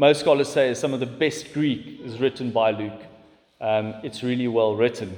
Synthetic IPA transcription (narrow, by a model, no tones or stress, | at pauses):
moʊstskɔlˠəz̥seɪz̥sʌ̃mʌvðəbɛst̚ɡ̥ɹiˑkɪzɹɪʔn̩baɪlʉːk | ʔʌ̃mɪtsɹiəliwɛlˠɹɪtʰn̩